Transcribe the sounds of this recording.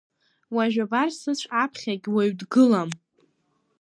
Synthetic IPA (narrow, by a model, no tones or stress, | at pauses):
waʒᶣabarsɨt͡ɕʷʰʼapʰχʲaɡʲweɥdɡɨlam